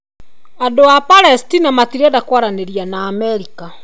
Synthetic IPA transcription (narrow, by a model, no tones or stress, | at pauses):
adoapaɾɛstinamatiɾɛdakwaɾaneɾianaːmɛɾika